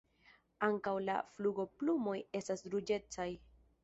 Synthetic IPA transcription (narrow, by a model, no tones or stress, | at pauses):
aŋkawla̰fluɡo̞plumo̞je̞stasɾud͡ʒe̞t͡saj